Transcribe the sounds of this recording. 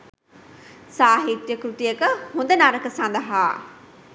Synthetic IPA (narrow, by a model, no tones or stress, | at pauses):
saːɦit̪jəkɾut̪ijəkəhund̪ənaːɾəkəsand̪əɦaː